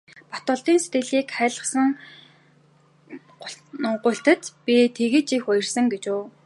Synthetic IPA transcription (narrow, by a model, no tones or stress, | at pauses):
pḁt̪ʊːɬt̪iːnset̪ɡɘ̆ɮiːkχæːɮə̆χsə̆ŋ | ɢʊɬt̪ɘ̆t̪pit̪ʰeɣɘ̆t͡ɕixʊj̆rsə̆ŋɡet͡ɕuː